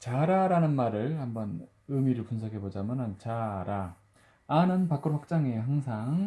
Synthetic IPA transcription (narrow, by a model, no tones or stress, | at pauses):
t͡ɕaɾaɾanɯnmaɾɯɭhambʌn | ɯmiɾɯɭpunsʰʌkʰe̞bod͡ʑamjʌnɯnt͡ɕaɾaː | nɯnpak͈ɯɾɸak̚t͡ɕ͈aŋe̞haŋsʰaŋ